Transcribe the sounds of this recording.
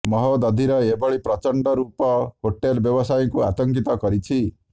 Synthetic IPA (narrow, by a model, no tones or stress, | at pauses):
mɔɦɔd̪ɔd̪ʱiɾɔebɔɭipɾɔt͡ʃɔɳɖɔɾupɔɦoʈːelbjɔbɔsajɔŋkua̰t̪ɔŋkit̪ɔkɔɾit͡ʃʰi